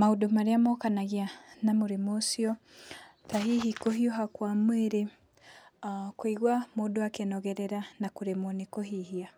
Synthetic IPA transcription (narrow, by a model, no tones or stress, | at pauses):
maodomaɾeamokanaɣianamoɾemosjɔ | taɦiɦikoɦioɦakwamweɾe | kwiɣwamodoakenɔɣɛɾɛɾanakuɾemonikoɦihia